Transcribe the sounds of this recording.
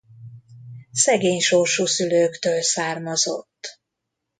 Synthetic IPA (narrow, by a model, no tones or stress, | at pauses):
sɛɡeːɲʃorʃuːsyløːkt̪øːlsaːrmɒzo̰t̪ː